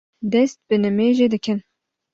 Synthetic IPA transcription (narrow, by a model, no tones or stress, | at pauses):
d̪ɛst̪̚bɨnɨmeːʒed̪ɨkʰɨn